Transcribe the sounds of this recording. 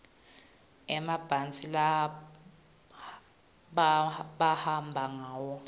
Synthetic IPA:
ɛmab̥ʱant͡sʼila | ɓɓahambʱaŋaːwɔ

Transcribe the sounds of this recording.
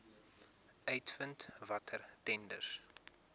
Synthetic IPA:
œɥtfəntvɐtʰərtɛndə̰s

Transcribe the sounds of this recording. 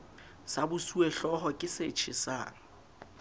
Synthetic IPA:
sabʊsuɛɬɔɦɔkʼɪset͡ʃʰɪsa̰ːŋa

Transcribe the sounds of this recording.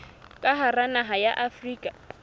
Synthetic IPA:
kʼaɦaranaɦajaʔafriːkʼa

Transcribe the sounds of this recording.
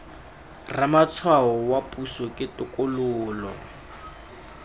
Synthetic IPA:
ramat͡sʰwaɦɔwapʼusɔkʼɪtʊkʼʊlʊːlɔ̰

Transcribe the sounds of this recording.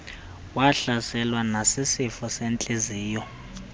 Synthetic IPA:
waɬasɛlwanasisifɔsent͡ɬʼeziːjɔ

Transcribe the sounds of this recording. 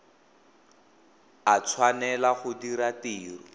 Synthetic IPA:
at͡sʰwanɛlaχʊdiɾatiːrɔ

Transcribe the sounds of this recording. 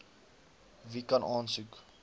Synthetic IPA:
vikɐnʔɑːnsʉk

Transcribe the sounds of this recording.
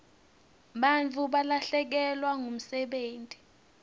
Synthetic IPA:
ɓant͡fʰuɓalaɬɛk̬ɛlwaŋum̩sɛɓeːntʼi̥

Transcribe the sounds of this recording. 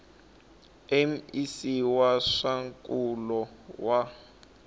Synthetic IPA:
ɛm̩isiwaʂaŋkʼulɔwa

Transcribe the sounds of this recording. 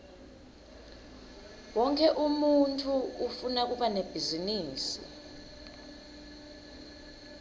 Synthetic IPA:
wɔŋkʰɛʔumuntʼʰuːfunak̬uɓaneb̥ʱiziniːsḭ

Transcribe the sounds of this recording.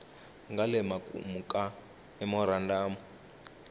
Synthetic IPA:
ŋɡalɛmakʼṵmukʼa | ɛmɔɾandaːmɔ

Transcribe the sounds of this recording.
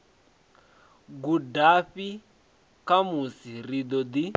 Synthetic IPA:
ɡudaɸi | kamusirid̪ɔd̪i

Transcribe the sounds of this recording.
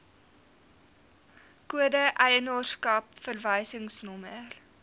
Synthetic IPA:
kuədəʔɐjənorskɐpfərvəjsəŋsnɔmər

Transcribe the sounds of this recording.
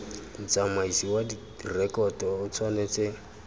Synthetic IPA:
n̩t͡samaisiwadi | rɛkʼɔtʊt͡sʰwanet͡se

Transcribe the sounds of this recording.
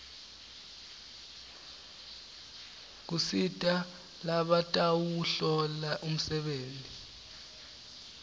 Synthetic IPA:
k̬usitʼa | laɓatʼawuɬɔlaʔum̩sɛɓeːndʼi

